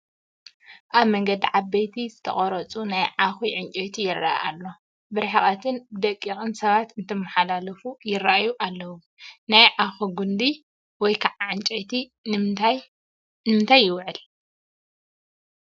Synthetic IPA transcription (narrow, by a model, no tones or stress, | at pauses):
ʔaβmɐŋɡɐd̪iʕaβbɐjt̪ʰizɨt̪ʰɐ̰χʼɐɾɐt͡sʼunajʕaxiʕɨɲt͡ʃʼejt̪ʰijɪrːa̰ʔa̰lːo̞ | bɨɾħaχʼat̪ʰɨnbɨd̪ɐkʼːixʼɨnsɐβat̪ɨnt̪ʰɐmːɐħalalɐfujɪrːaʔajuʔalːɐwu | najʕaxuɡund̪i | wɔjkʰaʕaʕant͡ʃʼet̪ʰi | nmɨnt̪ʰajːɪwʕɨl